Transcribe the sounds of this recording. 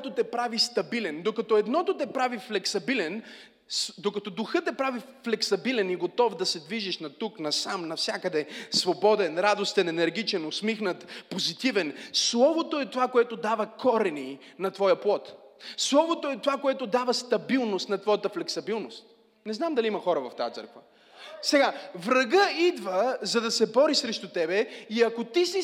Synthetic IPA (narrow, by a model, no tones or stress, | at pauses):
t̪ot̪ɛpɾavist̪ɐbilɛnd̪okɐt̪ɔɛd̪nɔt̪ot̪ɛpɾaviflɛksɐbilɛn | sd̪okɐt̪ɔd̪ʊxɤt̪ɛpɾavi | flɛksɐbilɛniɡot̪ɔfd̪ɐsɛd̪viʒiʃnɐt̪uknɐsamnɐfsʲjakəd̪ɛsvobɔd̪ɛnɾad̪ost̪ɛnɛnɛɾɡ̟it͡ʃɛnosmixnət̪pozit̪ivɛnslˠɔvot̪oɛt̪ovakoɛt̪od̪avəkʰɔɾɛni | nɐt̪vɔjəplˠɔt̪slˠɔvot̪oɛt̪ovakoɛt̪od̪avəst̪ɐbilˠnost̪nɐt̪vɔjət̪əflɛksɐbilˠnost̪ | nɛznamd̪ɐliimɐxɔɾəvɐft̪ajət̪sɤ̰ɾkvə̰ | sɛɡavɾɐɡəid̪vəzɐd̪ɐsɛbɔɾisɾɛʃt̪ut̪ɛbɛiɐkot̪isi